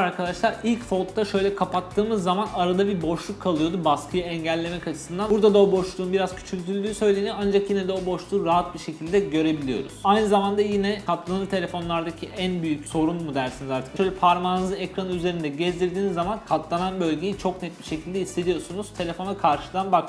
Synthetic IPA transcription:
aɾkʰad̪aʃlˠaɾilʲcfo̞t̪ʰːaʃø̞jlʲɛkʰapat̪ʰːɯːmɯzːamanaɾad̪abibo̞ʃlˠukʰːalˠɯjo̞d̪ubaskʰɯjaɛɲɟælʲːe̞mɛcat͡ʃʰɯ̥sɯnd̪anbuɾd̪ad̪aobo̞ʃlˠuːnbiɾaz̥cʰy̥t͡ʃʰylʲt̪ʰylʲd̪ʲyːsø̞jlʲe̞nijoand͡ʒakjined̪ɛobo̞ʃlˠuːɾaɦat̪̚biʃe̞cʰilʲd̪ɛɟø̞ɾe̞bilʲijo̞̰ɾṵz̥ajnɯzamand̪ajinɛkʰat̪lˠanɯɾt̪ʰe̞lʲe̞fo̞nlˠaɾd̪acʰiʔænbyjycso̞ɾunmud̪ælʲsinizaɾt̪ʰɯ̥kʃøjlʲɛpʰaɾmaːnɯzˠɯɛkɾanyzeɾind̪ɛɟezd̪iɾd̪iːnizːamankʰat̪lˠananbø̞lʲɟe̞jit͡ʃʰo̞knɛt̪̚biʃe̞cʰilʲd̪ɛisːe̞d̪ijo̞sunuz̥t̪ʰe̞lʲe̞fo̞nakʰaɾʃɯd̪anbak̪

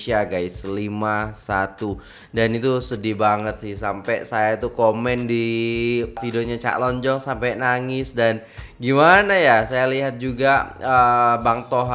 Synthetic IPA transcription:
siaɡaisəlimasat̪u | danit̪usədibaŋət̪sɪhsampɛsajait̪ukomɛndi | fidioɲat͡ʃa̰lɔɲd͡ʒɔŋsampɛnaŋɪsdan | ɡimanajasajaliɦat̪̚d͡ʒuɡaəbaŋt̪ɔɦ

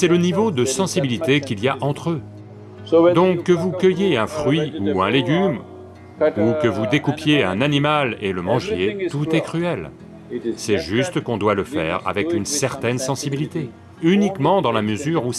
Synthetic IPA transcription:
sɛlənivod̪əsɑ̃sibilit̪ekʲiliaʔɑ̃t̪χø | d̪ɔ̃kːəvukʲəjeɛ̃fχɥiuɛ̃leɡʲym | ukəvud̪ekupjeɛ̃nanimaleləmɑ̃ʒjet̪ut̪ɛkχyɛl | sɛʒyst̪kɔ̃d̪waləfɛ̰ʁa̰vɛkynsɛʁt̪ɛnsɑ̃sibilit̪e | ynikmɑ̃d̪ɑ̃laməzyʁu

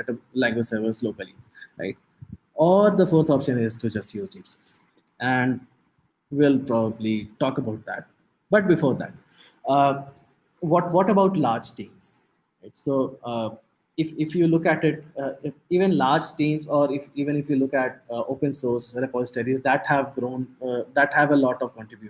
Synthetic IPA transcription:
ɛʈəlæ̃ŋɡwɪd͡ʒsəɾʋɪlsloːkəliɾa̰ɪʈ̚ | ɔːɾd̪əfoːɾt̪ʰɔːpʃə̃nɪzʈud͡ʒʌsʈjuːzʈĩːmsɛps | ʔæ̃ɳɖ | ʋɪlpɾɔbəbliʈɔːkəbaʊʈ̚d̪æ̰ʈ̚ | bʌʈ̚bɪfoːɾd̪æ̰ʈ̚ | ʋɔʈʋɔʈəbaʊʈlaːɾd͡ʒʈĩːmz̥ | ɾaɪʈsoː | ɪfɪfjuːlʊkæʈɪʈ | iːʋə̃nlaːɾd͡ʒʈĩːmzɔːɾɪfiːʋə̃nɪfjulʊkæʈ̚oːpə̃nsoːɾsɾepɔːzɪʈəɾizd̪æʈhæʋɡɾõːnd̪æʈhæʋəlɔːʈɔʋkɔ̃ɳʈɾɪbju

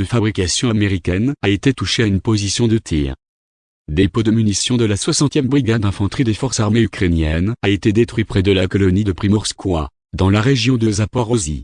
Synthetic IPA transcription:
səfabʁikasjɔ̃ameʁikʲɛnaet̪et̪uʃeaynpozisjɔ̃d̪ət̪ʰḭːʁ | d̪epod̪əmynisjɔ̃d̪əlaswasɑ̃t̪jɛmbʁiɡad̪ɛ̃fɑ̃t̪χid̪efɔʁsaʁmeykχenjɛnaet̪ed̪et̪χɥipχɛd̪əlakɔlɔnid̪əpχimɔʁskwa̰ | d̪ɑ̃laʁeʒjɔ̃d̪əzapɔʁɔzḭ

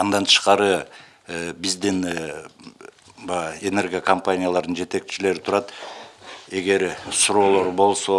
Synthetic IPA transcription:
ɑnd̪ɑnt̪ʰə̥ʃqɑɾə | bɪzd̪ɪn | bɑe̞ne̞rɡʲijakompanʲijalˠɑɾd̪ənd͡ʒe̞t̪e̞k̚t͡ʃɪle̞ɾɪt̪ʰʊɾɑt̪ | e̞ɡe̞ɾsʊɾo̞ːlˠo̞ɾbo̞lˠso̞

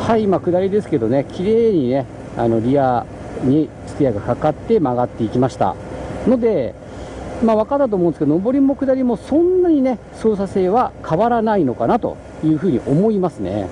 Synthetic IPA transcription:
haiimakɯ̟d̪aɾʲid̪e̞sɨ̥ke̞d̪o̞ne̞kʲiɾe̞ːɲ̟ine̞ | a̰no̞ɾʲia | ɲisɨ̥t̪ijaɡakakat̪ːe̞maɡat̪ːe̞ikʲimaɕi̥t̪a̰no̞d̪e̞ | maːβakat̪ːat̪omõnesked̪onobo̞ɾʲimo̞kɯ̟d̪aɾʲimo̞sõ̞nːaɲ̟ine̞ | so̞ːsase̞ːβakʰaβaɾanaino̞kanat̪o̞̰ | jɯ̟ːɸɯ̟ːɲ̟ḭʔo̞mo̞imasɨne̞̰

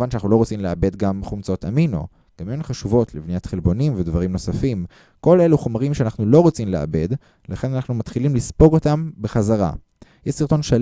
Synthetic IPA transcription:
vanʃeanaχnulo̞ʁot͡simleabe̞d̪ɡamχumt͡so̞tamino̰ | ɡ̥amenχaʃuvo̞tlivnijatχelbo̞nimvedvaʁimno̞safim | ko̞le̞luχomaʁimʃeanaχnulo̞ʁo̞t͡simleʔa̰be̞d | laχe̞nanaχnumat̪χilimlispo̞ɡo̞tambeχazaʁa̰ | jeʃsiʁt̪o̞nʃa

